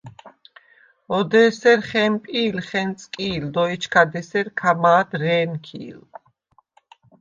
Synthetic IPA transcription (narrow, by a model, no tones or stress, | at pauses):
ɔd̪ɛːsɛɾχɛmpʼiːlχɛnt̪sʼkʼiːld̪ɔit͡ʃʰkʰad̪ɛsɛɾkʰamaːd̪ɾɛːnkʰḭːl